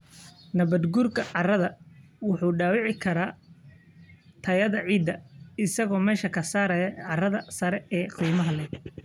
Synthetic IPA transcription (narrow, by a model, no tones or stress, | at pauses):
nɐβɐd̪ɡurkʰɐʕɑrɐðɐwʊħuːɖaːwɪʕɪkʰɐɾaː | t̪ʰɐjɐðɐʕiːd̪ːɐɪsɐɣɔːmɛːʃɐkʰɐsaːɾɐjɐʕɑrɐðɐsɐɾɛɛːqiːmɐɦɐlɛ